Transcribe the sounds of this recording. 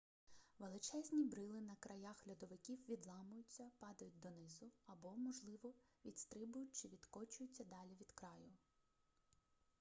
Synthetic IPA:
ʋelˠɪt͡ʃɛzʲnʲibɾɪlˠɪnɐkɾɐjɑxlʲɐd̪ɔʋɪkʲiwʋʲid̪lˠɑmʊjʊt͡sʲːɐpɑd̪ɐjʊt̚ʲd̪ɔnɪzʊɐbɔmɔʒlˠɪʋɔʋʲid̪st̪ɾɪbʊjʊt̚ʲt͡ʃɪʋʲid̪kɔt͡ʃʊjʊt͡sʲːɐd̪ɑlʲiʋʲid̪̥kɾɑjʊ

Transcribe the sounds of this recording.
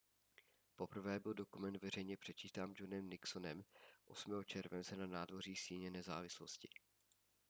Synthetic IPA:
po̞pr̩vɛːbɪldo̞kumɛnt̪vɛr̝ɛjɲɛpr̝̥ɛt͡ʃiːt̪aːmd͡ʒonɛmnɪksonɛmʔo̞smɛːɦot͡ʃɛɾvɛnt͡sɛnanaːdvo̞r̝iːsiːɲɛnɛza̰ːvɪsloscɪ̥

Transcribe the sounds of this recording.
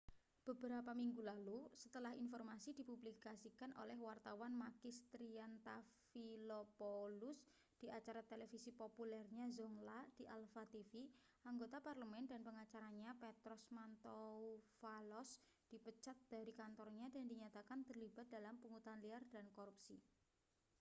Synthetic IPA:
b̥əbəɾapamiŋɡulalusə̥t̪əlahinfɔrmasidi̤publikasikanʔo̰lɛhwart̪awanmaɡist̪ɾiant̪afilopolus | d̥iʔat͡ʃaɾat̪elefisipopulɛrɲazɔŋlad̥iʔalfat̪ifi | aŋɡot̪aparləmɛndanpəŋat͡ʃaɾaɲapɛt̪ɾɔsmant̪oufalɔs | d̥ipət͡ʃat̪̚d̥a̤ɾikant̪ɔrɲadandiɲat̪akant̪ərliba̤t̪̚dalampuŋut̪anliard̥ankoɾupsḭ

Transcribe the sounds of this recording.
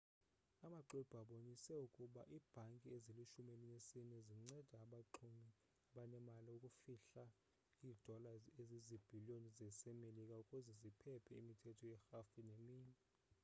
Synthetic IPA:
amaǃib̥ʱaɓonisɛukʼuɓaʔiːb̥ʱaŋkʼieziliʃumelinesinɛziŋ͡ǀɛd̥ʱaːɓaǃʰumi | aɓanɛmaliukʼufiɬa | iːd̥ʱɔlaezizib̥ʱilionizɛsɛmelikʼaukʼuzɛzipʰɛpʰɛimitʰɛtʰɔjɛxafinemiːɲɛ

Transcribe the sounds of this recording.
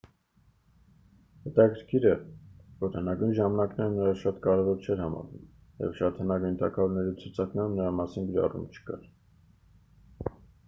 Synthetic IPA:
hɛt̪ɑkʰəɾkʰiɾəvɔɾhənɑɡujnʒɑmɑnɑknɛɾənəɾɑʃɑt̪kɑɾɛvɔɾt͡ʃʰɛɾhɑmɑ̰ɾṵm | jɛ̰vʃɑt̪ʰənɑɡujnt̪ɑkʰɑvɔɾnɛɾit͡sʰut͡sʰɑknɛɾumnəɾɑmɑsinɡəɾɑ̰rṵmt͡ʃʰə̥kɑ̰ɾ

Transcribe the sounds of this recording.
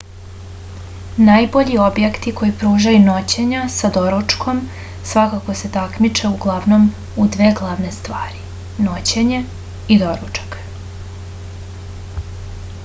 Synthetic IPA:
najboʎiobjekt̪iko̞jipɾuːʒajuno̞t͡ɕe̞ɲasad̪o̞ɾut͡ʂkʰo̞m | sʋakako̞se̞t̪akmit͡ʃeuɡlˠaʋno̞m | ud̪ʋeːɡlˠaʋne̞st̪ʋaːɾi | not͡ɕeɲe | id̪o̞ɾut͡ʂḁk

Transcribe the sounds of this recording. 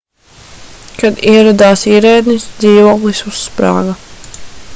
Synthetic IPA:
kad̪iɛɾad̪aːsiɛɾɛjd̪nisd̪ziːvoːklˠisusːpɾa̰ːɡa

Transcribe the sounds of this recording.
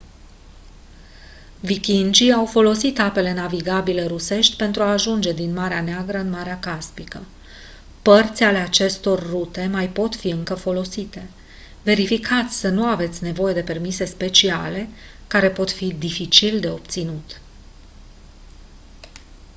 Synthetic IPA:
vikʲind͡ʒiawfo̞lo̞sit̪ape̞le̞naviɡabile̞ɾuse̞ʃt̪ʲpe̞nt̪ɾuaːʒund͡ʒe̞d̪inmaɾeaneaɡɾəɨnmaɾeakaspikə | pərt̪sʲale̞at͡ʃe̞st̪o̞rːut̪e̞majpo̞t̪fiɨŋkəfo̞lo̞sit̪e̞ | ve̞ɾifikʰat̪sʲsənuave̞t̪sʲne̞vo̞je̞d̪e̞pe̞rmise̞spe̞t͡ʃiale̞ | kaɾe̞po̞t̪fid̪ifit͡ʃild̪e̞o̞p̚t̪sinut̪

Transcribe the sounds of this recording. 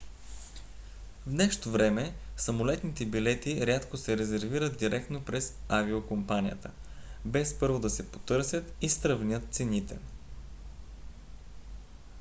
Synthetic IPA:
vnɛʃt̪ovɾɛmɛsɐmolɛt̪nit̪ɛbilɛt̪iɾʲat̪kosɛɾɛzɛɾviɾət̪d̪iɾɛkt̪nopɾɛzaviokompanijə̰t̪ə | bɛspɤɾvod̪ɐsɛpot̪ɤɾsʲjət̪ist̪ɾɐvnʲət̪̚t̪sɛnit̪ɛ̰

